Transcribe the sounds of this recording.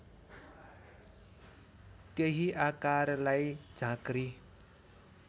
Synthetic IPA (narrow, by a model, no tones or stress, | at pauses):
t̪jeɦiʔakarlajd͡zʱãkri